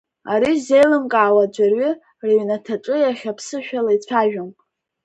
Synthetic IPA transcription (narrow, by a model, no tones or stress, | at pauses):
aɾize̞jlɨmkʼaːwad͡ʒʷarɥɪ | riɥnatʰaʈ͡ʂʷʼɨjaχʲapʰsɨʃᶣalait͡ɕʷʰaʒᶣamʼ